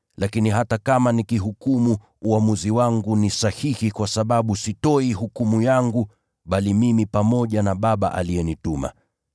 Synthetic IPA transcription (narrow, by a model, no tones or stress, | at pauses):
lakiniɦatakamanikiɦukumu | uamuziwaŋɡunisahihikwasaɓaɓusitɔiɦukumujaŋɡu | ɓalimimipamɔʄanaɓaɓa̰ʔalijɛnituma̰